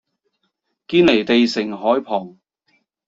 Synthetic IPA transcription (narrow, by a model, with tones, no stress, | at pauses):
kiː˧nle˨˩jt̪e˨jsɪ˨˩ŋɦɔː˨˥jpʰɔː˨˩ŋ